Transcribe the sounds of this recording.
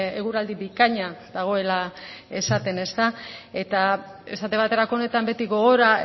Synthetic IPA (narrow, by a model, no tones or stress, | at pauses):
eɣ̞uɾald̪iβikaɲaðaɣ̞o̞e̞lae̞sat̪e̞ne̞st̪ae̞t̪ae̞sat̪e̞βat̪e̞ɾako̞ːne̞t̪ambe̞t̪iɣo̞ɣ̞o̞ɾa